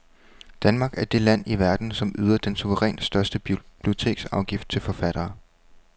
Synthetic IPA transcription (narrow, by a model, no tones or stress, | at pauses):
d̥ænmɑ̈ːɡ̥æɐd̥e̝læn̰iʋæɐd̥n̩sɒ̽myːð̞ˠɐd̥ensuʋəʁɛ̰ːnsd̥ɶɐsd̥əb̥lio̝t͡sʰe̝̰ːɡ̥sɑ̈ʊɡ̥ifd̥̚t͡sʰe̝lfɒ̽fæɾ̥ɐː